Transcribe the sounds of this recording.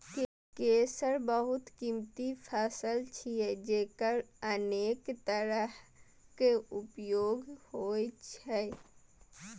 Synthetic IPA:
k | keːsəɾbəɦʊt̪kimt̪ipʰaːsəlt͡ʃʰiɛd͡ʒeːkəɾəneːkt̪əɾəɦ | keʊpjoːɡhoːet͡ʃʰɛ

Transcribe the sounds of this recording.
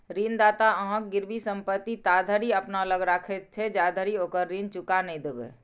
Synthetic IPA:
ɾiːnd̪aːt̪aəɦə̃k̚ɡɪɾbisə̃mpət̪ːit̪aːd̪ʱəɾiɐpnaələɡɾaːkʰet̪̚t͡ʃʰed͡ʒaːd̪ʱəɾioːkəɾːiːnt͡ʃʊkanəĩd̪ewḛː

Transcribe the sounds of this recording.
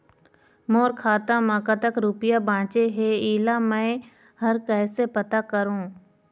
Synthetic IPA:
moːɾkʰaːt̪ãmãkat̪əkɾuːpɪjabãːt͡ʃeɦeːiːlamɛ̃ː | ɦəɾkɛːsepət̪akəɾũː

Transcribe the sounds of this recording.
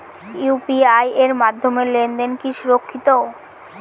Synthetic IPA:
jupiajeɾmad̪ʱːomelend̪enkiʃuɾokʰːit̪o

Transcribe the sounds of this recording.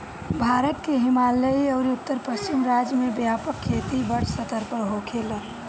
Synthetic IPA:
bʱaːɾət̪̚keɦɪmaləiəʊɾiʊt̪ːəɾpəst͡ʃimɾad͡ʒjmebjaːpəkʰːeːt̪ibəɾʰsət̪əɾpəɾɦokʰelə̃

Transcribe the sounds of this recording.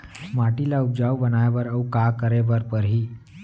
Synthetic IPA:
maʈilaup̚d͡ʑawbənajʋəɾəukakəɾeʋəɾpəɾɦiː

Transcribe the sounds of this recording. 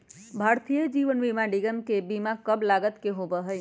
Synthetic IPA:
bʱaɾt̪ijəd͡ʒiʋənbimaɖiɡəmkebimakəblaɡət̪keɦobəɦəj

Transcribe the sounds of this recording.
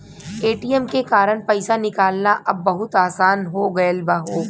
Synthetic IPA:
eːʈiɛmkekaːɾəɽpɐɪsanɪkaːlnaʔɐbːɐɦʊt̪aːsaːnɦoɡɐjəlbaɦoː

